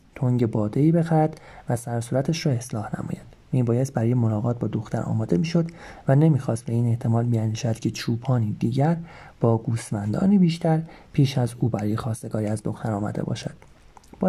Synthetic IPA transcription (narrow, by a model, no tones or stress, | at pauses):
t̪ʰoŋɟe̞bɒːd̪e̞iːbe̞xæɾæd̪̥væsæɾsuːɾæt̪ʰeʃɾɒːe̞slɒːhnæ̰mɒ̰ːjæ̰nd̪̥miːbɒːjest̪̚bæɾɒːje̞mo̞lɒːɣɒːt̪̚bɒːd̪o̞xt̪ʰæ̰ɾɒ̰ːmɒːd̪e̞miːʃo̞d̪væne̞miːxɒːst̪̚bæiːne̞ʔt̪ʰe̞mɒːlbiænd̪iːʃæd̪cʲʰe̞t͡ʃʰuːpʰɒːniːd̪iːɟæɾb̥ɒːɡuːsmænd̪ɒ̰ːniːbiːʃt̪ʰæɾpʰiːʃæzuːbæɾɒːjexɒːst̪e̞ɡɒːɾiːæzd̪o̞xt̪ʰæɾɒːmæ̰d̪ebɒ̰ːʃæ̰d̪̥ | b̥